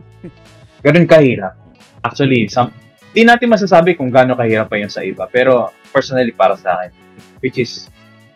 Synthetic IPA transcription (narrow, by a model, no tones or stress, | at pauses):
ɡ̥ɐno̞nkɐhiːɾɐp̚ | ʔak̚t͡ʃʊɐlisɐm | d̪ɪnaːt̪ɪnmɐs̬as̬aːbɪkʊŋɡaːno̞kɐhiːɾɐpːɐjʊnsɐ̰ʔɪbapɛːɾo̞ | pɛɹsonɐlipaːɾɐsɐʔa̰ːkɛn | wɪt͡ʃɪs